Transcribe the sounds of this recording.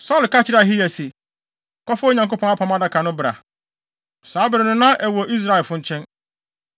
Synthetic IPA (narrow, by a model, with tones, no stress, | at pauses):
sɔ˦˨lka˦t͡ɕʰɪ˦ɾa˨ɦi˦jæ˨si˨ | kɔ˦fʊ˦ɲã˨ŋko˦pʰɔ̃˨˦ŋa˦pʰã˨mã˦da˦kʰã˨nʊ̃˦bɾa̰˨ | saː˨˦bɪ˨ɾɪ˨nʊ̃˦nã˦ʔɛ˨wɔ˨ʔi˦s̬ɾa˦˨ɛ˨fʊ̃˦ɲ̩˦t͡ɕʰɛ̃˦n